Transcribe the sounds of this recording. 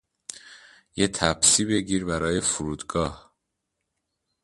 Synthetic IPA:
jet̪ʰæbsiːbe̞ɟiːɾbæɾɒːje̞fuɾuːd̪ɡɒːh

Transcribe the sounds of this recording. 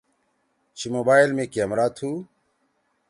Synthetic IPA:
t͡ɕʰimoːbaːjlmẽːkiəmɾaːt̪ʰhuː

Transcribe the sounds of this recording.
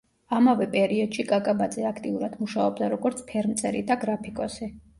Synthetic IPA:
amavɛpʼɛɾiɔd̪̥ʃikʼakʼabad̪zɛakʰt̪ʼiuɾad̪muʃaɔbd̪aɾɔɡɔɾt̪sʰpʰɛɾmt̪sʼɛɾid̪aɡɾapʰikʼɔsi

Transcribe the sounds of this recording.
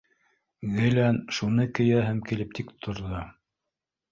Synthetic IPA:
ɣɘ̆lænʃunɤkɘ̆jæɦæmkilɘp̚t̪ʰikt̪ʰŏɾðo

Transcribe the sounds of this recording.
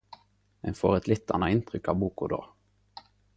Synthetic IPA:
ɛnfoːʁɛt̪lɪt̪ːɑ̰nɑɪnt̪ʁʏkɑːʋbuːkʊd̪o̰ː

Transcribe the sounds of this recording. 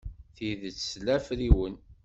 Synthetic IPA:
θiðət͡sːslæfɾiwən

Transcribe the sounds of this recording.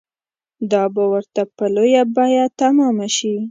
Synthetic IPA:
d̪ɑbawəɾt̪apəlojabɑjat̪amɑmaʃi

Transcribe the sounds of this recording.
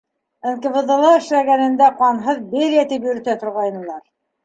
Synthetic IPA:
ɘ̆nkɘ̆vɤ̆d̪ɤ̆lˠɑɘ̆ʃlæɡænɘ̆nd̪æqɑnɦɤðbeɾjæt̪ipjɵ̆ɾɘ̆t̪æt̪ʰŏɾʁɑjnɤ̆lˠɑɾ

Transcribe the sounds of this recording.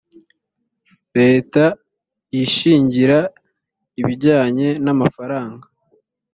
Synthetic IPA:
ɾe̞ːta | jiʃiːɲɟiɾa | iβiɟaːɲe̞namafaɾaːŋɡa

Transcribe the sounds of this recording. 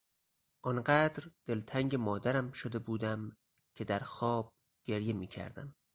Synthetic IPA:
ʔɒnɢæːd̪ɾd̪̥e̞lt̪ʰæŋɟemɒːd̪æɾæmʃod̪e̞buːd̪æm | cʰe̞d̪æɾxɒːb̥̚ | ɡ̥e̞ɾje̞miːcʰæ̰ɾd̪æ̰m

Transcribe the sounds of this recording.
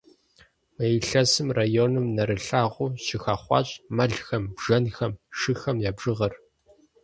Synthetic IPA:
mɐjɪɬɐsɨmraːjoːnɨmnɐɾɨɬaːʁʷʊːɕɪxaːχʷɑ̰ːɕʼmɐɮxɐmbʒ̥ɐnxɐmʃɨxɐmjaːbʒɨʁɐr

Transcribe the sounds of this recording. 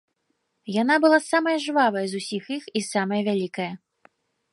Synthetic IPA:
janabɨlˠasamɐjɐʐɨvavɐjɐzusʲixixisamɐjɐvʲalʲikɐjɐ

